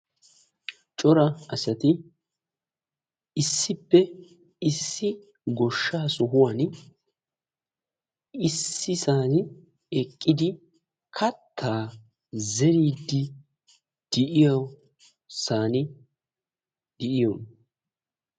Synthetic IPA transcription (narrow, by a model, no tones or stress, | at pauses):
t͡ʃʼɔɾɐɐsɐt̪ɪ | ɪsːɪpːɛ | ɪsːɪ | ɡɔʃːaːsʊɦʊwɐn | ɪsːɪsaːnɪ | ɛkʼːɪd̪ɪ | kʰɐt̪ʰːaː | zɛɾiːd̪ːɪ | d̪̥ɪʔɪjɐw | saːnɪ | d̪̥ɪʔɪjɔn